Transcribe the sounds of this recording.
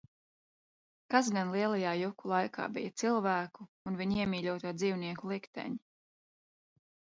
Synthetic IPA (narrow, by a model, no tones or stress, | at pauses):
kas̬ɡanlˠiɛlˠajaːjukulˠajkʰa̰ːbijat̪silˠvæːkuːnviɲiɛmiːʎʲuɔt̪aːd̪ziːwniɛkulˠikt̪ɛ̰ɲi